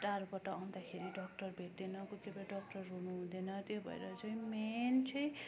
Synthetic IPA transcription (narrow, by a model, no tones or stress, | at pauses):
ʈaɾbʌʈʌãw̃nd̪akʰeɾiɖʌk̚ʈʌrbʱeʈ̪ːenʌkukebaɖʌkʈʌrɦunuɦũd̪enʌt̪jobʱʌ̰ḛɾʌt͡sʌĩment͡sʰʌj̃